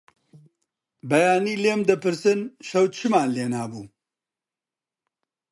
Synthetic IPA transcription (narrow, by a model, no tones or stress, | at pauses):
bɐjaːniːleːmd̪ɨpɨɾsɨnʃɐwt͡ʃʰɨmaːleːnaːbuː